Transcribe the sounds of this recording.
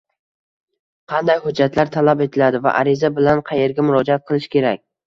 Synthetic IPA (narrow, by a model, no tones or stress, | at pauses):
qʰɑnd̪ajhʊd͡ʒːat̪laɾt̪ʰalape̞t̪ʰɪlad̪ɪva̰ʔaɾɪzabɪlanqʰɑje̞ɾɡʲamʊɾɒd͡ʒaat̪̚qʰɨlˠɪʃkʲe̞ɾak̚ʲ